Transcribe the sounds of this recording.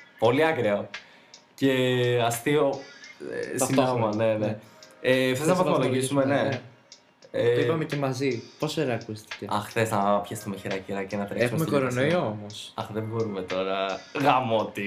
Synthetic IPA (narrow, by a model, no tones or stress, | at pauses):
po̞liɐkɾeo | ce̞ɐst̪io̰ | simomɐne̞neefθeznɐvɐθimoloʝisumene | eopɐmece̞mɐziposeɾɐːkust̪i̥t̪eɐxθe̞znɐpçest̪umeçiɾɐciɾɐcinɐt̪ɾeesxmeumekoɾo̞noiomosɐxðebo̞ɾumet̪o̞ɾɐɣɐmo̞t̪i